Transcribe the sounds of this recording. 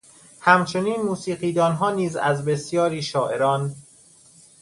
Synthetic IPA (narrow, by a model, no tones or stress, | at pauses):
hæmt͡ʃʰo̞niːnmuːsiːɢiːd̪ɒːnɦɒːniːzæ̰zbe̞sjɒːɾiːʃɒːʔe̞ɾɒːn